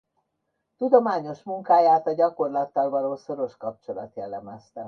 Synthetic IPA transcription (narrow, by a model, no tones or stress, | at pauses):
t̪ud̪o̞maːɲo̞ʃmuŋkaːjaːt̪ɒɟɒko̞rlɒt̪ːɒlvɒloːso̞ɾo̞ʃkɒp̚t͡ʃo̞lɒ̰t̪jɛlːɛmɛst̪ɛ